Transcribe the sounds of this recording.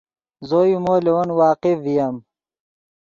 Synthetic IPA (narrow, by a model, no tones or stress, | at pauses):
zojumoːlewɐnwaːqifijɐm